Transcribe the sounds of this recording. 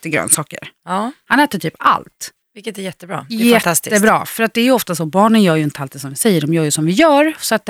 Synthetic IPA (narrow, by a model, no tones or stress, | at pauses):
t̪əɡɾœ̰ːnsɑːkə̰ɾhanɛːt̪əʈʰyːpa̰lt̪ | vɪlkːət̪æjɛt̪ːəbɾɑ̰ːɛt̪ʰast̪ɪːəbɾɑ̰ːfœɾat̪̚d̪ɛæɾjɵɔft̪asɔbɑːɳənjœːɾjɵɪnt̪əalt̪d̪ɛsɔmvɪsɛjːəɖɔmjœːɾjɵsɔmvɪjœːɾsɔat̪̚d̪